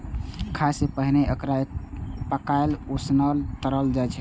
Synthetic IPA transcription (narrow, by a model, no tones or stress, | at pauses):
kʰasepəɦineʔəkɾaepəkaelosnəlt̪əɾəld͡ʒajt͡ʃʰɛ